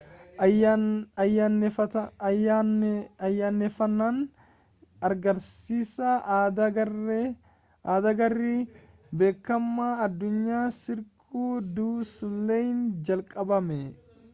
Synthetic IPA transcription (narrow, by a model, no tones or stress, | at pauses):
jan | ɐjːanːɛfɐnːɐn | ɐɾɡɐɾsiːsɐd̪ɐ | d̪ɐɡɐrːi | be̞ːkːɐmːaːɐd̪ːʊɲːaːsɪɾkʼuːd̪uːsʊlːeːjnd͡ʒɐlkʼɐbɐmɛ